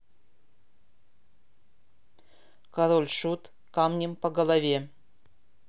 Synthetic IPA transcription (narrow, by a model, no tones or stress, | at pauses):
kɐɾolʲʂut̪ | kamnʲɪmpəɡəlˠavʲe